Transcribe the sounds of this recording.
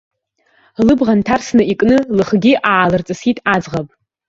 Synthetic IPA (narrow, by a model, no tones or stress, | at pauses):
lɨbʁantʰarsnɨikʼnɨlɨχɡʲiʔaːlɨrt͡sʼɨsitʼad͡zʁapʼ